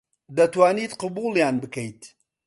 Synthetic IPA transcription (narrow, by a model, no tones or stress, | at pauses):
d̪ɐt̪waːniːt̪qɨbuːljaːnbɨkɐjt̪